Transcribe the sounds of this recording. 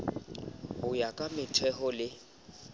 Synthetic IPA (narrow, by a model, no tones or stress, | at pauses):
hʊjakʼamɪtʰɛɦɔlɪ